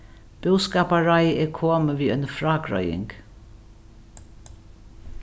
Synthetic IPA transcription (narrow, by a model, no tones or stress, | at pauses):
b̥ɪwskaːpaɹajɛːkʰoːməʋiːœnəfɾaːkɾɔ̰jɪ̰ŋk